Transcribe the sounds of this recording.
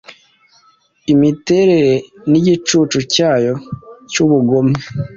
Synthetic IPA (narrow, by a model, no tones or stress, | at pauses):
imite̞ɾe̞ɾeniɟit͡ʃuːt͡ʃucaːjo̞cuβuɡome